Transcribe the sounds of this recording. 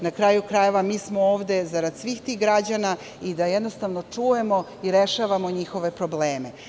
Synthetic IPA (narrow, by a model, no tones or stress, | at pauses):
nakɾaːjukɾajeʋamiːsmooːʋd̪e̞zaɾad̪sʋixt̪iːɣɡɾad͡ʑana | id̪ajed̪nost̪aʋnot͡ʂuːje̞mo̞ | iɾeʃaːʋamo̞ɲixo̞ʋe̞pɾo̞bleːme